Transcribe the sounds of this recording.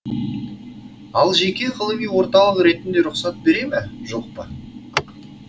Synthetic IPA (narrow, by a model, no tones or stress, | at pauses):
ɑlˠʒe̞kʲe̞ʁʰəlˠəmijwo̞ɾt̪ɑlˠəqɾe̞t̪ɪnd̪e̞ɾʊqsɑt̪̚beɾe̞mɪʒoq̚pə